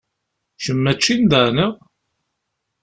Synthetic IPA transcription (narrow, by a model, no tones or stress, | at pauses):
ʃəmːæt͡ʃːind̪əɾnəʁ